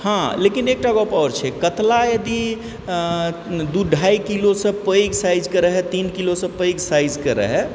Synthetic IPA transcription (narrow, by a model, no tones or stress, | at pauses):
hãlekinek̚ʈaɡɔpawɾt͡ʃʰɛkət̪lajəd̪i | d̪uɖʱajkilosə̃pəjɡsajd͡ʒkəɾəɦɛt̪inkilosə̃pəjɡsajd͡ʒkəɾə̰ɦɛ